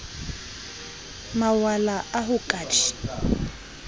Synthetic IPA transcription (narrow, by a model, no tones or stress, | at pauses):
mawalaaɦukʼat͡ʃʰi̥